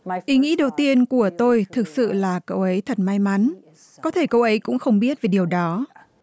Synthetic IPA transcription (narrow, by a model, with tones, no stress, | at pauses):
ʔi˨˦ŋḭ˧˥ɗə˨˩wt̪i˧ənku˧˩ət̪o˧jt̪ʰɨ˨˩k̚sɨ̰˧˨laː˨˩kə˧wʔə˨˦jt̪ʰə˨˩t̚ma˧jma˨˦n | kɔ˨˦t̪ʰe˧˩kə˧wʔə˨˦jkʊ̰˧˥ŋ͡mxə˧wŋ͡mɓi˦˥ət̚ve˨˩ɗi˨˩əwɗɔ˨˦